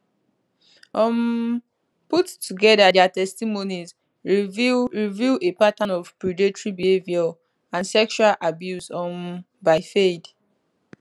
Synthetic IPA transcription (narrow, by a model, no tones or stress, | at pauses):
ɔ̃m | putːuɡɛdadɛatɛstimoniz | ɹivɹivuepatãnɔvpɹidetɹibihevjɔ | ãnsɛkʃualʔabjusɔ̃m | baɪfed